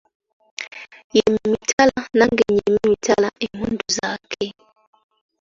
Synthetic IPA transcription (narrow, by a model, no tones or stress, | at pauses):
jɛmimitʰalanaŋɡɛɲɛmmitʰalaʔɛmunduzakʰɛ